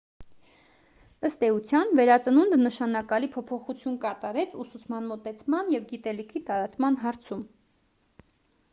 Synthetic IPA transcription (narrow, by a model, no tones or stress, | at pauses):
əst̪ɛut͡sʰjɑnvɛɾɑt͡sənund̪ənəʃɑnɑkɑlipʰɔpʰɔχut͡sʰjunkɑt̪ɑɾɛt͡sʰusut͡sʰmɑnmɔt̪ɛt͡sʰmɑnjɛvɡit̪ɛlikʰit̪ɑɾɑt͡smɑnɦɑɾt͡sʰum